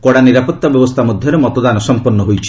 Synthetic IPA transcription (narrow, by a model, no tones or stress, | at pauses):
kɔɽaniɾapɔt̪ːabjɔbɔst̪ʰamɔd̪ʱjɔɾemɔt̪ɔd̪anɔsɔmpɔɾnɔɦojt͡ʃʰi̥